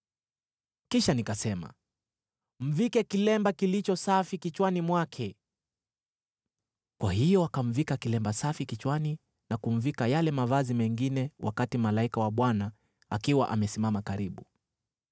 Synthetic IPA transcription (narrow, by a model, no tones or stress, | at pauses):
kiʃanikasɛma̰ | m̩vikɛkilɛmbakilit͡ʃɔsafikit͡ʃwanimwakʰɛ | kwahijɔwakaɱ̩vikakilɛmbasafikit͡ʃwani | nakuɱ̩vikajalɛmavazimɛŋɡinɛwʔa̰katimalaikawaɓwana | a̰kiwa̰ʔamɛsimamakaɾiɓu